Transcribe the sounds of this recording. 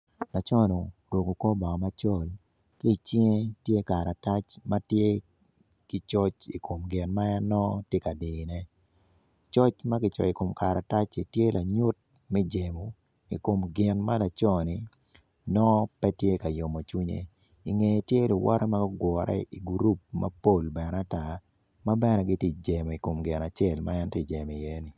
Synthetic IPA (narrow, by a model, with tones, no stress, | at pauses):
la˨t͡ʃɔ˦no˨ɾwo˨ɡo˨ko˦bɔ˨ma˦t͡ʃɔ˦˨l | ki˦i˨t͡ʃi˦ŋe˦tje˦ka˨ɾa˨ta˦t͡ʃma˦tje˦ | ki˦t͡ʃɔ˦t͡ʃi˨ko˨mɡɪ˨nma˦jɛ˦nɔ˦tje˦ka˨di˨nɛ˦ | t͡ʃɔ˦t͡ʃma˦kɪ˦t͡ʃɔ̰˨i˨ko˨mka˨ɾa˨ta˦t͡ʃi˨tje˦la˨ɲʊ˦t̚ | mɛ˦d͡ʒe˨mo˨ | ḭ˨ko˨mɡɪ˨nma˦la˨t͡ʃɔ˦˨ni˨ | nɔ˦pɛ˦tje˦ka˨jo˨mo˨t͡ʃu˦ɲḛ˦ | i˨ŋe˨tje˦lʊ˨wʔɔ̰˦ɾʔɛ˦ma˦ɡɔ˦ɡwɔ˨ɾɛ̰˦i˨ɡuɾu˦p̚mɐ̰˦po˦˨lbɛ˨na˦ta˦˨ | ma˦bɛ˦nɛ˦ɡɪ˦ti˦d͡ʒe˨mo˨i˨ko˨mɡɪ˨na˨t͡ʃɛ˦˨lma˦ɛ˦nte˦˨d͡ʒe˨m˨i˨je˦ni˨